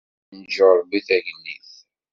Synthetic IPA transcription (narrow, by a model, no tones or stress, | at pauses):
nd͡ʒoɾˤbiθæʝnːiθ